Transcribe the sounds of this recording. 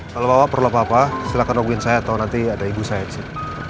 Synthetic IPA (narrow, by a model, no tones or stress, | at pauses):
kalobawaʔpərlopapasilakanwaɡuɪnsajaːt̪awnant̪iadaibusajadisɪ